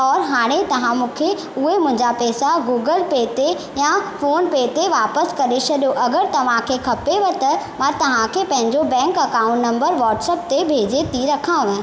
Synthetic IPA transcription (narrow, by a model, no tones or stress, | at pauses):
ɔːɾɦaːɽ̃et̪ɐʋ̤ãmũːkʰe | ʊɦemʊ̃ɦɪ̃ɲd͡ʑapɛːsaɡuːɡəlpeːt̪e | jafoːnpeːt̪eʋaːpəskɐɗet͡ɕʰɐɗijoʔɐɡəɾt̪ɐʋ̤ãkʰekʰɐpeʋɐt̪ɐmãt̪ɐʋ̤ãkʰepɐ̃ɦɪ̃ɲd͡ʑobɛ̃ːŋkɐkãːʊ̃ɳʈnɐ̃mbəɾʋɔːʈsɛːp̚t̪ebʱeːd͡ʑet̪ʰiɾɐkʰãʋẽ